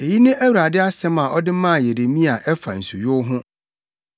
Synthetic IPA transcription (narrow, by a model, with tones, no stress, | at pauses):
e˨ji˦nɪ̃˦ʔæ˦wu˨ɾa˨dɪ˦a˦sɛ̃˦mã˨ʔɔ˦dɪ˦mã˦˨je˨de˨mĩ˦a˨ʔɛ˦fa̰˨n̩˨su˨jʊ˦ɦʊ̃˦